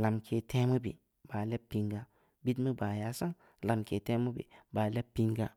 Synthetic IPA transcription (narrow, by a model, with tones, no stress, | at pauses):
la˨mkʰe˨tʰe˦mu˦bḭ˨ | b̥a˨le˦pːi˦ŋɡa˦ | bi˦tmi˦ba˨ja˨˦sa˦ŋ | la˨mke˨te˦mu˦bḭ˨ba˨le˦pːi˦ŋɡa˦